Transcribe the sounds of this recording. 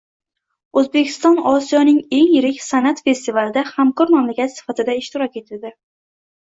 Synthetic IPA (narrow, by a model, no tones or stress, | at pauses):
ɵzbekʲʰɪ̥st̪ɒnɒsijɒnɪŋe̞ŋjɪɾɪkʲsanat̪fe̞st̪ivalɪd̪ahamkɒɾmamlakʲʰat̪sɪ̥fat̪ʰɪd̪aɪʃt̪ɪɾɒkʲe̞t̪ʰɪld̪ɪ